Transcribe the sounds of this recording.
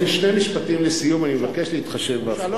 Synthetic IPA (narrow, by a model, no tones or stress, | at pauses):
iʃnemiʃpatimlesijumanimevakeʃliːt̪χaʃe̞vba